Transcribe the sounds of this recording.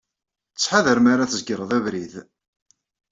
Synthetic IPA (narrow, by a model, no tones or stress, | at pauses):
t͡sːħaðəɾmaɾaθzəɡɾˤəðˤævɾið